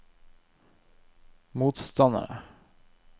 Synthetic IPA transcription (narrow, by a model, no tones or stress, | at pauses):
muːt̪st̪ɑnd̪a̰ɾə̰